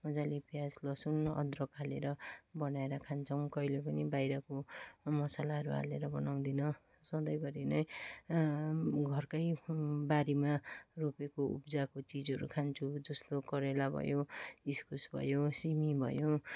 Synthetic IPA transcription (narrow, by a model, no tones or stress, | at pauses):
mʌd͡zalepjaslʌsunʌ̰d̪rʌkaleɾʌbʌnaeɾʌkʰant͡sʰʌw̃kʌilepʌnibajɾʌkomʌsalaɦʌɾuɦa̰leɾʌbʌnaw̃d̪inʌ | sʌd̪ʌjbʌɾinʌj | ɡʱʌrkʌjbaɾimaropekoṵpd͡zakot͡sid͡zʌɾṵkʰant͡sʰud͡zʌst̪okʌɾelabʱʌ̰joiskusbʱʌ̰josimibʱʌ̰jo